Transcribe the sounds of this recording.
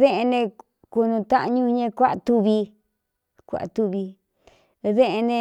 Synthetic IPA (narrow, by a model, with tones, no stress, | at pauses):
ðẽ˦ʔe˧nẽ˧ | ku˧nũ˧t̪a˦ʔɲũ˦˧ɲẽ˧kʷa˦ʔt̪u˧βi˧ | kʷa̰˨ʔt̪u˧βi˧ | ðẽ˦ʔe˧nẽ˧